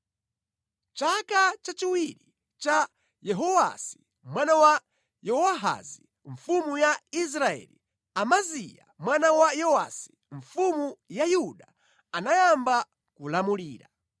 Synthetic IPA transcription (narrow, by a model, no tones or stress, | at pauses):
t͡ʃakat͡ʃat͡ʃiwiɾi | t͡ʃa | jɛɦɔwa̰si̥ | mwanawa | jɔwaɦa̰zi | ɱ̩fumujais̬ɾaɛ̰li | amazija̰mwanawajɔwa̰si̥ | ɱfumujajuɗa | anajamba | kulamuliːɾa